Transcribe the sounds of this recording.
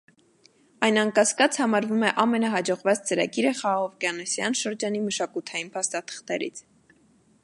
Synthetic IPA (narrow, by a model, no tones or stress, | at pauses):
ɑjnɑŋkɑskɑt͡shɑmɑɾvumɛʔɑmɛnɑɦɑd͡ʒɔʁvɑt͡st͡səɾɑ̰ɡiɾəχɑːʁɔvkɑnɛsjɑnʃəɾd͡ʒɑniməʃɑkut̪ʰɑjinpʰɑst̪ɑt̪ʰə̥χt̪ɛɾḭt͡sʰ